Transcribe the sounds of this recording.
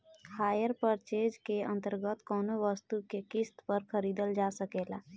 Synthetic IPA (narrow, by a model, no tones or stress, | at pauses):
haːjəɾpəɾt͡ʃeːd͡ʒkeə̃nt̪əɾɡət̪kɔːnoʋəst̪ukekɪst̪pəɾxʰəɾiːd̪əld͡ʒaːsəkeːla̰ː